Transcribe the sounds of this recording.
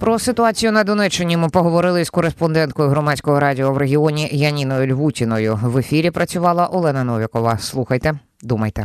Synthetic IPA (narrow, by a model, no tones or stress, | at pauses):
pɾɔsɪt̪ʊɑt͡sʲijʊnɐd̪ɔnɛt͡ʃːɪnʲimɪpɔɦɔʋɔɾɪlˠɪzskɔɾespɔnd̪ɛnt̪̚kɔjʊɦɾɔmɑt͡sʲkɔɦɔɾɑdʲɪɔʋɾeɦʲɪɔnʲijɐnʲinɔjʊlʲʋutʲinɔjʊʋefʲiɾʲipɾʔɐt͡sʲʊʋɑlˠɐʔɔlˠɛnɐnɔʋʲɪkɔʋɐslˠuxɐjt̪ɛ | d̪umɐjt̪ɛ